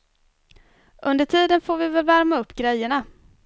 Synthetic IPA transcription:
ʔɵnd̪əʈʰiːd̪ənfoːɾvɪvɛlvæɾmaɵpːɡɾɛjːəɳa

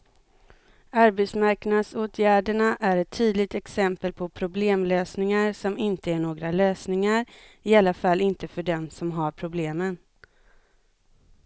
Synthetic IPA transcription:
aɾbɛt̪smaɾknad̪soːt̪ʰjæːɖəɳaʔæɾɛt̪ʰːyːd̪lɪɡ̚t̪ɛksɛmpəlpʰɔpʰɾʊbleːmløːsnɪŋaɾsɔmɪnt̪əæɳoːɡɾaløːsnɪŋaɾ | ɪalːafalːɪnt̪əfœɖɛmsɔmɦaɾpʰɾʊbleːmən

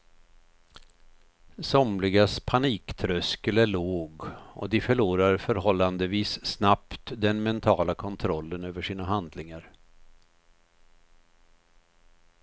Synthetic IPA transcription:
sɔmlɪɡaspʰaniːkt̪ʰɾœskəlæɭoːɡɔ̰d̪ɪfœɭuːɾaɾfœɾɦɔlːand̪əviːssnapt̪d̪ɛnmɛnt̪ʰɑːlakʰɔnt̪ʰɾɔlːənøːvəʂiːnaɦand̪lɪŋaɾ

